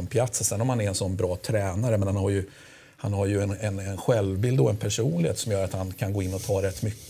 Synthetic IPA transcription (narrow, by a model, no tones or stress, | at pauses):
ɛnpʰlat̪ssɛnːɔmhanɛɾɛnsɔnːbɾɑːt̪ʰɾɛːnaɾəmɛnhanhaɾjɵ | hanhaɾjɵɛnɛnɛnɧɛlvbɪld̪dɔɛnpʰæʂuːnlɪheːt̪sɔmjœːɾat̪hankʰanɡoːɪnːɔt̪ʰɑːɾɛt̪ːmʏkː